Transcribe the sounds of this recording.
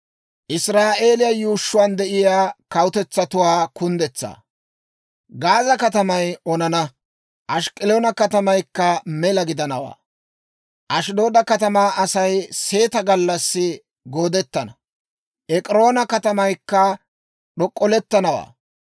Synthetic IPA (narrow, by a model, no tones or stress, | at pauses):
ʔɪsɾaːʔe̞ːlɪjɐjuːʃːʊwaːnd̪ɛʔɪjaːkɐwʊt̪ɛt͡sːɐt̪ʊwaːkʊnd̪ɛt͡sːa̰ː | ɡaːzɐkɐt̪ɐmɐjɔnɐnɐ | ʔɐʃkʼɪloːnɐkɐt̪ɐmɐjkːɐmɛlɐɡɪd̪ɐnɐwa̰ː | ʔɐʃd̪o̞ːd̪ɐkɐt̪ɐmaːʔɐsɐjse̞ːt̪ɐɡɐlːɐsːɪ | ɡoːd̪ɛt̪ːɐnɐ | ʔɛkʼɪɾo̞ːnɐkɐt̪ɐmɐjkːɐ | ɗɔkʼːɔlɛt̪ːɐnɐwa̰ː